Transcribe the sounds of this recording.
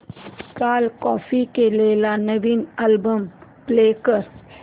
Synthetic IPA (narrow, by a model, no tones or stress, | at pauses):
kaːlkɔːfikeleːlanəʋiːnɛlbəmpleːkəɾ